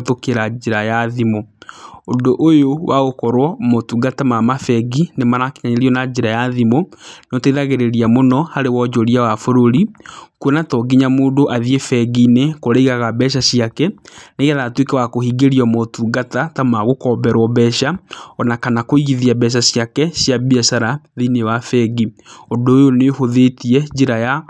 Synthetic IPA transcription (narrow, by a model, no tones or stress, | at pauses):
tokeɾad͡ʒeɾajaðimoondoʔojowaɣokɔɾwɔmotuɡatamamafɛɡinemaɾakeɲaɲeɾiɔnad͡ʒeɾajaðimonɔteiðaɣeɾeɾiamonɔhaɾewɔd͡ʒɔɾiawafoɾoɾikuɔnatɔɡiɲamoːdoʔaðiefɛɡinekoɾeiɣaɣabɛʃ̬aɕiakɛneɣɛðatwekewakohiːɡeɾiɔmɔtuɡatatamaɣokɔbɛɾwɔβɛʃaɔnakanakoiɣiðiabɛʃ̬aɕjakɛɕjabiasaɾaðinewafɛɡiondoːjonehoðetiɛd͡ʑeɾaja